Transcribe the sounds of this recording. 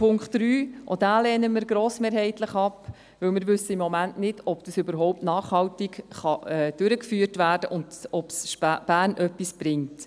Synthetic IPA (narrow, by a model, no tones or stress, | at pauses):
pʰʊŋkχtɾyːʔɔd̥æːlɛːnəmɪɾɡɾoːsmeːɾɦɛɪtləχɑp | ʋɪwmɪːɾʋʉsːəɪmːɔmæntnɪd̥ɔb̥d̥əsʏbəɾɦɔʊp̚tnɑːχhɑwtikχɑɛːd̥ʉɾəkfyːtvæːrd̥əʔʊntɔpsʃb̥æːrnʔœpːisb̥ɾɪŋt